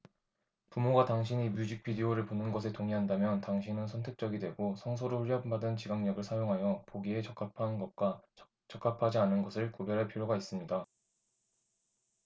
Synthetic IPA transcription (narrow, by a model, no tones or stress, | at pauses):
pumoɡataŋɕʰiɲimjud͡ʑik̚p͈ʰidioɾɯɭponɯnɡʌs̬ʰe̞toŋiɦandamjʌntaŋɕʰinɯnsʰʌntʰe̞k̚t͡ɕ͈ʌɡidwe̞ɡosʰʌŋs̬ʰoɾoɸʰuɭːʌmbadɯnt͡ɕiɡaŋɲʌɡɯɭsʰajoŋɦajʌpoɡie̞t͡ɕʌk͈ʰapʰanɡʌt̚k͈wa | t͡ɕʌk͈ʰapʰad͡ʑianɯnɡʌsʰɯɭkobjʌɾɦaɭpʰiɾjoɡais͈ɯmɲida